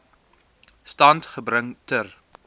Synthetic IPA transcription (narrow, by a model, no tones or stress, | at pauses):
stɐntχəbɾəŋtər